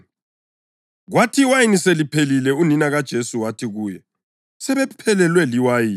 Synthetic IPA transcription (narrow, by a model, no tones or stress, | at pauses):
ɣwatʰiwajiniselipʰelilɛuninaɣad̥ʒ̥ʱesuwatʰiɣuːjɛ | sɛβɛpʰɛlɛlwɛliwajiːn